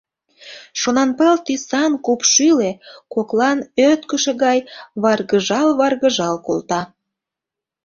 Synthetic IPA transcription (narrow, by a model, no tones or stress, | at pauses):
ʃonɑnpəlt̪isɑnkupʃylekoklɑnøt̪kəʃĕɣɑjβɑrɣəʒɑlβɑrɣəʒɑlko̰lt̪ɑ